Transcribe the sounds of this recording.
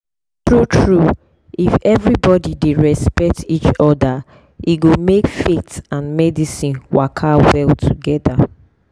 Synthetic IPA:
tɹutʰɹu | ifɛvɹibɔdideɹɛspɛk̚tit͡ʃɔda | iɡomekfetãnmɛdisĩnwakʰawɛltʰuɡɛda

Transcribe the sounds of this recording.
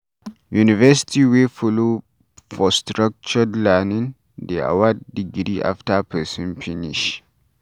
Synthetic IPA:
junivɛsi̥tiwefɔlo | fɔstɹak̚t͡ʃɔdlɛnĩn | dea̰wadːiɡɾiʔa̰ftapʰɛsɔ̃nfiniʃ

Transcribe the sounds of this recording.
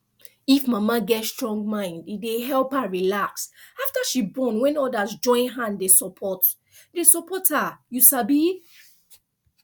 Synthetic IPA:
ifmamaɡɛtstɹɔ̃ŋɡ̚mãɪ̃ndideɦɛlphaɹilaksaftaʃibɔnwɛ̃nɔdazd͡ʒɔ̃ɪ̃nɦãndesɔpʰɔt | desɔpɔthajusabi

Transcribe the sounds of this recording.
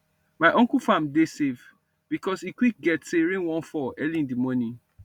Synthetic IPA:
maɪʔɔ̃ŋkufãmdesev | b̥ikɔsikwik̚ɡɛtseɹẽnwɔ̃nfɔɛlĩndimɔnĩ

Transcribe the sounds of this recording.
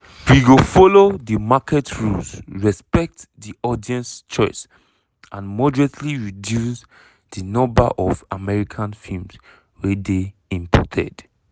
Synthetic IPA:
wiɡofɔlodimakʰɛtʰɹulsɹɛspɛk̚tdiʔɔdiɛ̃nst͡ʃɔɪs | ãnmɔdɹɛ̃tʰliɹidjus | dinɔ̃mba̰ʔɔvamɛɹikʰãnfilms | wedeĩmpʰɔ̰tʰɛ̰d̥

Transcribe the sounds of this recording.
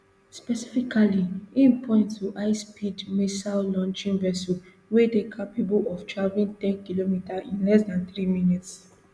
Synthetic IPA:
spɛsifikaliĩnpʰɔ̃ɪ̃nttuʔaɪspidmesallɔ̃nt͡ʃĩnvɛsɔ | wedekʰapibulɔftɹavĩntɛ̃nkilomitaʔĩnlɛs̬dãnθɾiminits

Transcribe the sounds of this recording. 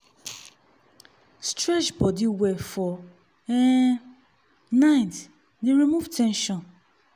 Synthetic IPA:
stɹɛt͡ʃbɔdiwɛfɔ | ɛ | nãɪ̃t | deɾimuvtʰɛ̃nʃɔ̃n

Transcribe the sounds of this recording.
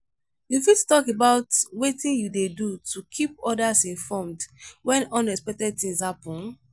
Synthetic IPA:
jufitu̥tɔkebaʊtwetĩnjudedutʰukʰipɔdasĩnfɔmdwɛ̃nɔ̃nɛkspɛk̚tɛd̚tĩŋsapɔ̃n

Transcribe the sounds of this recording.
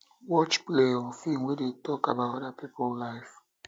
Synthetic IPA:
wɔt͡ʃpleɔfiŋwedetɔkabatɔdapipʊllaɪf

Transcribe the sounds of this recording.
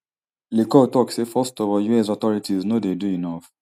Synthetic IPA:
lekɔtɔksefɔstɔvɔjuɛs̬ɔtɔɹitiznodeduinaf

